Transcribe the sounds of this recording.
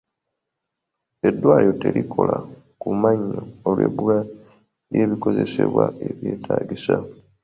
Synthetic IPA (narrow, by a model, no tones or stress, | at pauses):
e̞dːwaːljo̞telikʰo̞la | kumaɲːoolweβula | jeːβiko̞ze̞seβwae̞βje̞ːtʰaːɡisa